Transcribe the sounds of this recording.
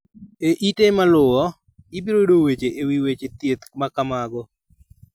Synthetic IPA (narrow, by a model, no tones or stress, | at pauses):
eʔitemalʊwɔ | ɪbiɾodowet͡ʃeʔewiwet͡ʃet̪jet̪makamaɡɔ